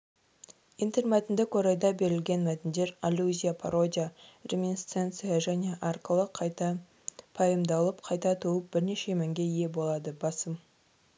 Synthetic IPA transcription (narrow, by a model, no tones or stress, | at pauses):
int̪eɾmæt̪ɪnd̪ɪkwo̞ɾɑjd̪ɑbe̞ɾɪlɡʲe̞nmæt̪ɪnd̪e̞ɾalʲuzʲijapʰaɾo̞d̪ʲijarʲemʲinst̪ent̪sɨjaʒæne̞ʔarkəlˠəqʰt̪ | pʰɑjəmd̪ɑlˠəpqʰɑjt̪ɑt̪ʰuəp̚b̥ɪɾne̞ʃe̞mæŋɡʲe̞ije̞bo̞lˠɑd̪əbɑsəm